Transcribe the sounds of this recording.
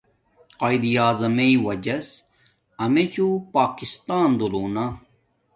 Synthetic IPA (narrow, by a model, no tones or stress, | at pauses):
qaid̪ijaːzɐmeiwɐd͡ʑɐs | ɐmet͡ɕupaːkist̪aːnd̪uluːna